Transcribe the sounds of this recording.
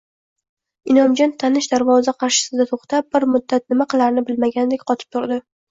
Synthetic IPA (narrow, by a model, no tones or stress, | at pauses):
ɪnɒmd͡ʒɒnt̪ʰanɪʃd̪aɾvɒzaqʰɑɾʃɪ̥sɪd̪at̪ʰoχt̪ʰap̚ːɪɾmʊd̪ːat̪̚nɪmaqʰɨlˠaɾnɪbɪlmaɡʲand̪ekʲqʰɒt̪ʰɪ̥p̚t̪ʰʊɾd̪ɪ